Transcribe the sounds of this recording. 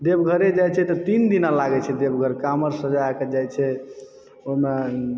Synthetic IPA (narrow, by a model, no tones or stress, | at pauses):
d̪ebɡʱəɾed͡ʒajt͡ʃʰɛt̪ɔt̪ind̪inalaɡɛt͡ʃʰɛd̪ebɡʱəɾkaməɾsəd͡ʒaked͡ʒajt͡ʃʰɛ | oime